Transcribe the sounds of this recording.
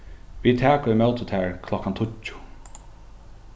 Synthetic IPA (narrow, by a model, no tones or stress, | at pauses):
ʋiːt̪ʰæːkʊɪmɛlt̪ət̪ʰæːɹkʰlɔkant̪ʰʊcʊ̥